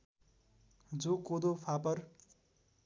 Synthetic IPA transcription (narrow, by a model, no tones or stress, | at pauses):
d͡zokod̪opʰapʌr